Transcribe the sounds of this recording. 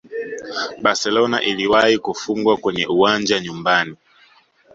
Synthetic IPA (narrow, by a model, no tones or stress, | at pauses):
ɓaɾsɛlɔna̰ʔiliwaikufuŋɡwakwɛɲɛ̰ʔuwand͡ʒaɲumbani